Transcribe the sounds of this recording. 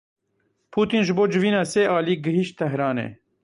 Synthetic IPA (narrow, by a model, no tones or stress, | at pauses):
pʰuːt̪iːnʒɨboːd͡ʒɨviːnɑːseːʔaːliːɡɨɦiʃt̪t̪ɛɦɾɑːnɛ̰ː